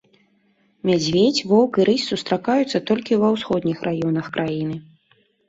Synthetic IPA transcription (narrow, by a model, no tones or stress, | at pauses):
mʲad͡zʲvʲet͡sʲvɔwkɨɾɨsʲsust̪ɾakajut̪sːɐt̪ɔlʲkʲivɐwsxɔd̪nʲixrʔajɔnɐxkɾʔajinɨ